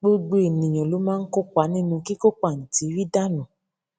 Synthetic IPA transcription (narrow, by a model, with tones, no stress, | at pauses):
ɡ͡bo˦ɡ͡bo˦e˨nĩ˨j̃ɔ̃˨lo˨˦mãː˦˧n̩˦ko˦k͡pa˨˦nĩ˦nũ˧ki˦ko˦k͡pa˦˨n̩˨ti˨˦ɾi˦da˦nũ˨